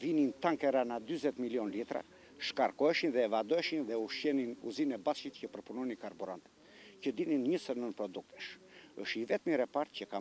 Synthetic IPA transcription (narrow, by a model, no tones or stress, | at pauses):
vinint̪aŋkɛɾanad̪yzɛt̪miljɔnlit̪ɾa̰ | ʃkaɾkɔɛʃinðɛːvad̪ɔɛʃinðɛuʃɛninṵzinɛbaʃit̪cəpəɾpunɔjnikaɾbuɾa̰nt̪ɛ̥t̪cəd̪ininɲəsəɾnənpɾɔd̪uk̚t̪ɛ̥ʃə̰ʃivɛt̪miɾɛpaɾt̪̚cəka